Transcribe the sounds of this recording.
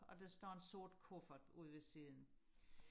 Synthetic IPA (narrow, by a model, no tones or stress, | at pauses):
ɒ̽d̥esd̥ɒ̰ːe̝nso̝ɐ̰d̥̚kʰofɐd̥uð̰ˠʋe̝siðˠn̩